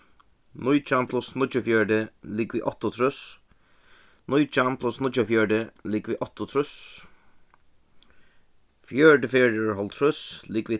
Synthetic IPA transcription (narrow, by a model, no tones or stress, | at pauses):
nʊjt͡ʃampʰlʊsnʊd͡ʒəfjɛːɹdəliːɡʋiːʔɔt̪ɔt̪ʰɾʊs | nʊjt͡ʃampʰlʊsnʊd͡ʒəfjɛːɹdəliːɡʋiːʔɔt̪ʊt̪ʰɾʊs | fjɛɹdəfeːɹdəɹhɔlt̪ʰɾʊsliːɡʋiː